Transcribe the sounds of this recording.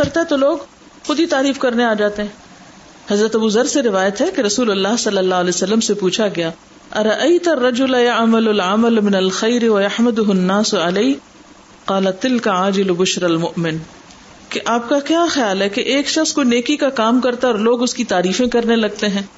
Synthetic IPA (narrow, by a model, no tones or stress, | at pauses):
kɐɾt̪aɦɛ̃t̪oloːɡ | xʊd̪ʱit̪aːɾiːfkɐɾneaːd͡ʒaːt̪eɦɛ̃ː | hɐzɾət̪ɐbuːzɐɾseɾɪʋaːjət̪ɦɛkeɾɐsuːlʊlːaːɦsɐlːɐlːaːɦlɛːsɐlːəmsepuːt͡ʃʰaɡɐjaː | ɐɾɐʔɐɪt̪ɐrːɐd͡ʒʊlajɐʕmɐlʊlʕamɐlmɪnɐlxɐjɾɪwɐjɐħmɐd̪ʊɦʊnːaːsʊʕaleː | qɑːlɐt̪ːɪlkaʕaːd͡ʒɪlbʊʃɾɐlmʊʔmɪn | keʔaːp̚kakjaːxjaːlɦɛkeʔeːkʃɐxskoneːkikakaːmkɐɾt̪aɔːɾloːɡʊskit̪aːɾiːfẽkɐɾnelɐɡ̚t̪eɦɛ̃ː